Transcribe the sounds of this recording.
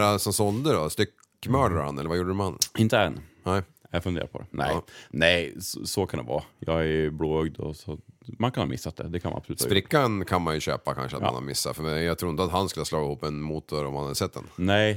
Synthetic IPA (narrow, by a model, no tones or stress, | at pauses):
ɾasɔmsɔnd̪əɖɔst̪ʏkː | mœːɖaɾha̰nɛlːəvajuːɖəɾɵmanɪnt̪əɛnːnɛ | jɑɡfɵnḛːɾapɔd̪ɛ̰nɛ̰ɪnɛɪssɔkʰand̪ɛ̰vɑːjɑːɡæbloːœɡd̪ɔ̰sɔmankʰanhɑ̰ːmɪsːat̪d̪ɛ̰d̪ɛkʰanma̰napsɔlʉːspɾɪkːankʰanmanjʊɕøːpakʰa̰nʂəat̪m̰a̰nha̰ɾmɪsːa̰fœɾmɛjaɡt̪ʰɾuːɪnt̪əat̪hanskɵlaslɑːɡɪhuːpːɛnmuːt̪ʊɾɔmhanhad̪əsɛt̪̚ːd̪ɛ̰nnɛɪ